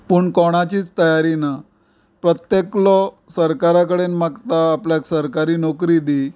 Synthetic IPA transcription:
puːɳkɔɽ̃at͡ɕiːt͡st̪əjaɾina | pɾət̪jeklɔ | səɾkaɾakəɽenmakt̪aːpljaksəɾkaɾiːnɔkɾid̪i

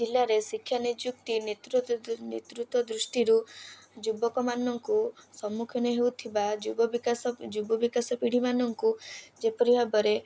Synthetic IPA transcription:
d͡ʒilːaɾesikʰːjanid͡ʒjuk̚t̪inet̪ɾunet̪ɾut̪wɔd̪ɾusʈiɾud͡ʒubɔkɔmanɔŋkusɔmukʰjɔneɦewt̪ʰibaubɔbikasɔd͡ʒubɔbikasɔpiɽ̤imanɔŋkud͡ʒepɔɾiɦabɔɾe

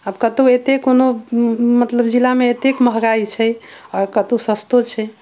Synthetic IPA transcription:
əbkət̪uet̪ekonomət̪ləbd͡ʒilameet̪ekməɦɡait͡ʃʰɛɔɾkət̪usəst̪ot͡ʃʰɛ

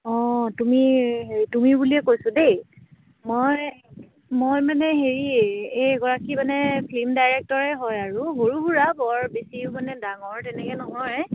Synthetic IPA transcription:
ɔ̃tumiɦeɹitumibuliɛkojsʊdej | moj | mojmanɛɦeɹiejɡɔɹakimanɛkʰlimdajɹɛk̚tɔɹɛɦɔjaɹuɦoɹubuɹabɔɹbesimanɛdaŋɔɹtɛnɛkɛnɔɦɔɹɛ

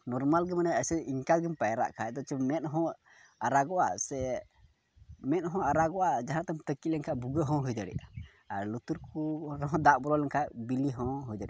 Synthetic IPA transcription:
nɔɾmalɡɛmanaəsɛʔiŋkaɡɛmpajɾa̰ʔkʰaɛd̪ɔt͡ʃɔmɛt̪̚ɦɔ̃ | aɾaɡɔʔa̰sɛ | mɛt̪̚ɦɔ̃aɾaɡɔʔad͡ʒaɦãt̪amt̪əkilɛŋkʰaʔbuɡəɦɔ̃ɦujd̪əɽɛ̰jʔa | aɾlut̪uɾkuɾɔɔ̃d̪aʔ̚bɔlɔlɛŋkʰaʔbiliɦɔ̃ɦujd̪aɽɛʔa

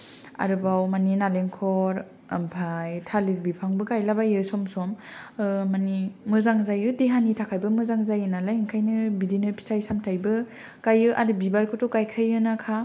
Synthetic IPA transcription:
a̰ɾɯbawmaninaleŋkʰɔɾ | ampʰajtʰaliɾbipʰaŋbɯkajlabajɯsɔmsɔm | manimɯzaŋzajɯdeɦanitʰakʰajbɯmɯzaŋzajɯnalajŋkʰajnɯbidinɯpʰi̥tʰajsamtʰajbɯ | kajɯʔaɾɯbibaɾkʰɯtɔkajkʰajɯnakʰa

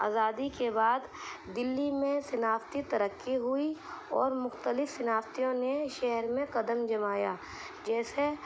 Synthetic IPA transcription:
a̰ːzaːd̪ikebaːd̪ːɪlːimẽsɐnaːft̪it̪ɐɾəkːiɦʊiɔ̰ːɾmʊxt̪əlɪfsɐnaːft̪ijõneʃɛɦɾmẽkɐd̪əmd͡ʒɐmaːja̰ː | d͡ʒɛːse

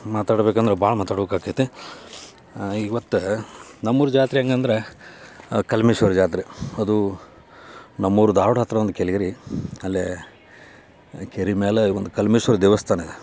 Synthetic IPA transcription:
maːt̪aːɽbeːkɐnd̪ɾebʱaːɭɐmaːt̪aːɽbeːkaːket̪ːe | iʋɐt̪ːunɐmːuɾud͡ʒaːt̪ɾiɐŋɡeɐnd̪ɐɾe | kɐlmeʃʋɐɾd͡ʒaːt̪̬ɾiɐd̪u | nɐmːuɾud̪aːʋɽɦɐt̪ɾɐʋɐnd̪ukeliɡɐɾiɐlːe | keɾimeːleʋond̪ukɐlmeːʃʋɐɾd̪ɛːʋɐst̪ʰaːne

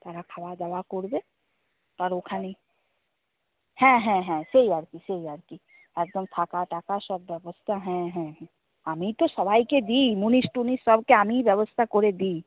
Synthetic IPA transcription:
t̪ɐɾakʰɐʋad̪ɐʋakoːɽb̪e | pəɾoːkʰanɐĩ | hɛ̃ɦɛ̃ɦɛ̃seiaɽkiseiaɽki | eːk̚d̪əmt̪ʰaːkaʈaːkasəbːjəʋəst̪ʰaɦɛ̃ɦɛ̃ɦɛ̃ | amĩt̪osɐʋaːiked̪iːmunisʈunisɐbkeamĩbjəʋəst̪ʰakoɾed̪iː

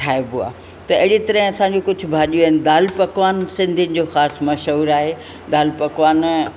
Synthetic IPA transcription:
ʈʰaːebua̰ː | t̪ɐɐɦɪɽit̪ɐɾəɦɪ̃ɐsãɲd͡ʑokʊd͡ʑʱʊ̆bʱaːʄijuaːɦɪnɪd̪aːlpɐkʋaːnsɪ̃nd̪ʱinɪ̆d͡ʑoːxaːsmɐʃəuɾaːɦeː | d̪aːlpɐkʋaːn

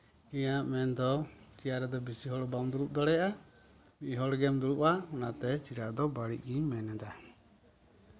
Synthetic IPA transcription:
ijãʔmɛnd̪ɔt͡ʃijaɾɛd̪ɔbisiɦɔɽbamd̪uɾup̚d̪ɔɽɛjaʔa | miɦɔɽɡɛmd̪uɾuʔaɔnat̪ɛt͡ʃiɾad̪ɔbaɽḭʔ̚ˀɡiɲmɛnɛd̪a

